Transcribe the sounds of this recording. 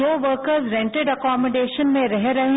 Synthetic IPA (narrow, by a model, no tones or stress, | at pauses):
oːʋəɾkəɾzɾɛ̃ɳʈeɖɐkɔːməɖeːʃənmẽɾɛɦɾɐɦẽ